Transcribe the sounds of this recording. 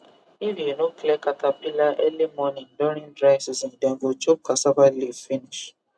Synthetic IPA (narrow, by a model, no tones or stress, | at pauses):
ivinoklɛkatapilaʔɛlemɔnĩn̩doɾĩndɾasizĩndɛ̃ɡot͡ʃɔp̚kasabalivfiniʃ